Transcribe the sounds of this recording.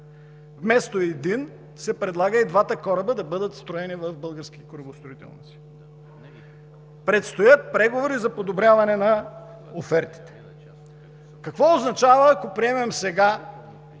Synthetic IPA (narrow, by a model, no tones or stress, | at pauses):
vmɛst̪oɛd̪in | sɛpɾɛd̪lˠaɡəid̪vat̪əkɔɾəbəd̪ɐbɤd̪ət̪st̪ɾʊɛnivɐvbɤlˠɡəɾsk̟ikoɾɐbost̪ɾʊit̪ɛ̰lˠnḭt̪si̥ | pɾɛt̪st̪ojət̪̚pɾɛɡovoɾizɐpod̪obɾʲavɐnɛnɐ | ofɛɾt̪i̥t̪ɛ̥ | kɐkvɔoznɐt͡ʃavəːkopɾiɛmɛmsɛɡa